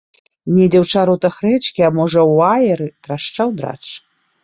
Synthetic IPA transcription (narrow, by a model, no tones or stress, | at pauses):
nʲid̪ɛwt͡ʂaɾut̪ɐxrɛt͡ʂkʲiamɔʐɐwajɛɾɨt̪raʂt͡ʂawd̪ɾa̰t͡ʂ